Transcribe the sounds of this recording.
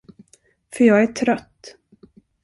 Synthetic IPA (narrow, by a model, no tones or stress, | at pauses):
fœɾjɑːɡæʈʰɾœt̪ː